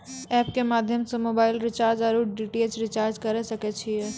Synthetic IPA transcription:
ɛːpkemaːd̪ʱjəmsemoːbaːɪlɾɪt͡ʃaːɾd͡ʒaɾuɖiːʈiet͡ʃɾɪt͡ʃaːɾd͡ʒkɐɾesɐket͡ʃʰiɛ

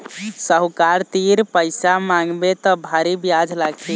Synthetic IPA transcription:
səɦukaɾt̪iɾpəɪsamãŋɡbet̪ɔbʱaɾibjad͡ʒʱlaɡti

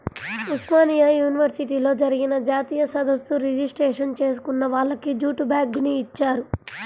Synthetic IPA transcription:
usmaːnijajuːniʋɐɾsiʈiːlo̞ːd͡ʒɐɾiɡinɐd͡ʒaːt̪iːjɐsɐd̪ɐsːuɾid͡ʒisʈɾeːʂɐnt͡ʃe̞ːs̬u̥kunːɐʋaːɭːɐkid͡ʒuːʈubaːɡuniːt͡ʃːaːɾu

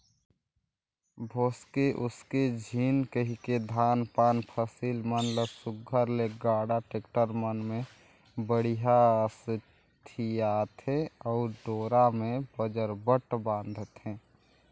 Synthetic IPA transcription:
bʱoːskeʔʊsked͡ʒʱiːnkəɦiked̪ʱaːnpaːnpʰəsiːlmənləsʊɡʱəɾleɡaːɽaʈeːkʈəɾmənmẽ | bəɽiɦas | t̪ʰijaːt̪ɦɛ̃ɔːɾɖoːɾamẽbəd͡ʒəɾbəʈbãːnd̪ʱət̪ɦɛ̃ː

